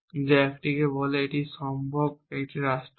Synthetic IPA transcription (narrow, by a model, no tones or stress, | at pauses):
d͡ʒeekʈikeboleɪʈizʃɔ̃mbʱɔɡ̚eʈiɾasʈ